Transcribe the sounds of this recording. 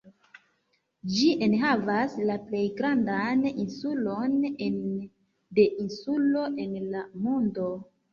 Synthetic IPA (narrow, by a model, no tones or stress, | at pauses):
d͡ʒiʔe̞nɦavaslaple̞jɡɾandaninsulo̞nen | de̞ʔinsulo̞ʔe̞nlamondo̞